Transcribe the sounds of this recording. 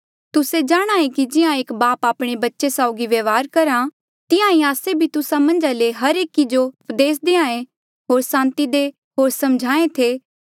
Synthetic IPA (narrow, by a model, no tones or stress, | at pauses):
t̪ʊsed͡ʒaːɽ̃aːẽkid͡ʒɪãeːkbaːpaːpɽ̃ebɐtːʃesaːʊɡiʋeʋaːɾkɐɾã | t̪ɪãĩaːsebʱit̪ʊsamɐ̃nd͡ʒaleɦɐɾeːkid͡ʒoʊpd̪eːs̬d̪eːãːẽ | ɦoːɾsãːnt̪id̪e | ɦoːɾsɐmd͡ʒʱaːẽt̪ʰeː